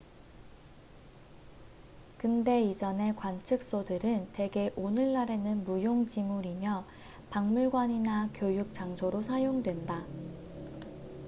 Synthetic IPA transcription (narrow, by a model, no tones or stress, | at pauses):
kɯnde̞id͡ʑʌne̞kwant͡ɕʰɯk̚s͈odɯɾɯnte̞ɡe̞ʔonɯɭːaɾe̞nɯnmujoŋd͡ʑimuɾimjʌ | paŋmuɭɡwaɲinakjojuk̚t͡ɕ͈aŋsʰoɾosʰajoŋdwe̞nda